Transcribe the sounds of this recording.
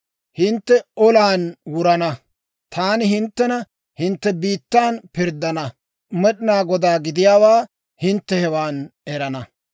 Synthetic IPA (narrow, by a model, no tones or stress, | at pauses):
hɪnt̪ːɛʔɔlaːnwʊɾɐnɐ | t̪ʰaːnɪɦɪnt̪ːɛnɐ | hɪnt̪ːɛbiːt̪ːaːnpɪɾd̪ːɐnɐ | mɛɗnaːɡɔd̪aːɡɪd̪ɪjaːwaː | hɪnt̪ːɛhɛwaːnɛɾɐnɐ